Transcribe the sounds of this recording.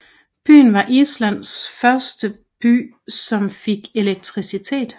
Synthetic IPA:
b̥y̰ːnʋɑ̈ʔislæn̰sfɶɐsd̥ə | b̥y̰ː | sɒ̽mfe̝ɡ̥e̝leɡ̥̚t͡sʰʁisit͡sʰe̝̰ːd̥

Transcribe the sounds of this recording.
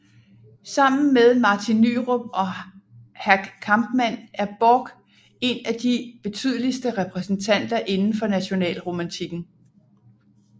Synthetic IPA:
sɑ̈m̰n̩meðˠmɑ̈ːt͡sʰinːy̰ʁob̥ɒ̽ | hæɡ̥kʰɑ̈mb̥mæn̰ʔæɐb̥ɔɡ̥ | e̝næd̥ib̥e̝t͡sʰy̰ːð̞ˠəlisd̥əʁɛpʰʁɛsn̩t͡sʰæn̰d̥ɐʔe̝nn̩fɒ̽næɕo̝nɛ̰ːlʁo̝mænt͡sʰiɡ̥n̩

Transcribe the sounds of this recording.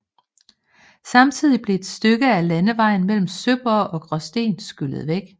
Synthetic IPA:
sɑ̈mt͡sʰið̞̰ˠib̥le̝ed̥sd̥øɡ̥əælænəʋɑ̈ɪ̰n̩mel̰m̩søb̥ɐʔɒ̽ɡ̥ʁɒsd̥e̝̰ːnsɡ̥yl̰əð̞̩ˠʋeɡ̥

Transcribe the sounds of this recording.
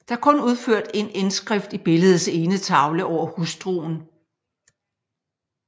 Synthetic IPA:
d̥ɑ̈æɐkʰɔ̽nuð̞ˠføɐ̰d̥e̝nensɡ̥ʁɛfd̥ib̥e̝ləð̞̩ˠse̝ːnət͡sʰɑ̈ʊləʔɒʊ̰ɐhusd̥ʁo̰ːn̩

